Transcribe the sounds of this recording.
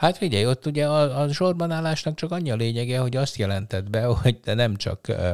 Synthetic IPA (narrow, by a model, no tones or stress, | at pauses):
hat̪fiɟɛjo̞t̪ːuɟɛɒɒʃo̞rbɒnaːlːaːʃnɒk̚t͡ʃɒkɒɲːiɒleːɲɛɡɛɦo̞ɟɒst̪jɛlɛnt̪ɛd̪bɛhoɟd̪ɛnɛmt͡ʃɒ̰k